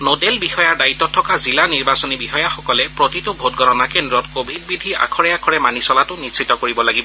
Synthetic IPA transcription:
nodelbixɔjaɹdaitːɔtʰːɔkazilaniɹbasɔnibixɔjaxɔkɔlɛpɹotitʊbʱotɡʱɔɾɔnakendɹɔtkobʱid̚bidʱia̰kʰɔɹɛakʰɔɹɛmanisɔlatʊnisitːɔkoɹibɔlaɡibɔ

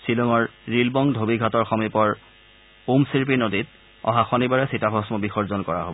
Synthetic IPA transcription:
silɔŋɔɹɹilbɔŋdʱobiɡʱatɔɹxɔmipɔɹ | umsiɹpinodit | ɔ̰̃ɦaxɔnibaɹɛsitabʱɔsmɔbixɔɹzɔnkɔɹa̰ɦobɔ

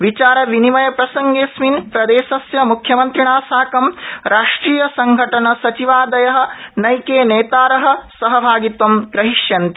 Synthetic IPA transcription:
ʋit͡ʃaːɾɐʋinimɐjɐpɾɐsɐŋɡeːsminpɾɐd̪eːʃɐsjɐmukʰjɐmɐnt̪ɾiɳaːsaːkɐmɾaːʂʈɾiːjɐsɐŋɡʱɐʈɐnɐsɐt͡ʃiʋaːd̪ɐjɐɦɐ̆nɐjkeːneːt̪aːɾɐɦɐ̆sɐɦɐbʱaːɡit̪ʋɐmɡɾɐɦiʂjɐnt̪i

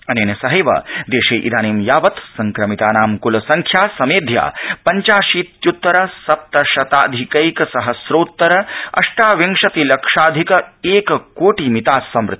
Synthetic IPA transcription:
ɐneːnɐsɐɦɐjʋɐ̰d̪eːʃeːʔid̪aːniːmjaːʋɐt̪sɐŋkɾɐmit̪aːnaːmkulɐsɐŋkʰjaːsɐmeːd̪ʱja̰ːpɐɲt͡ʃaːʃiːt̪jut̪ːɐɾɐsɐp̚t̪ɐʃɐt̪aːd̪ʱikɐikɐsɐɦɐsɾoːt̪ːɐɾɐɐ̰ʂʈaːʋɐŋʂɐt̪ilɐkʂaːd̪ʱikɐeːkkoːʈimit̪aːsːɐmɾɪt̪ːi̥

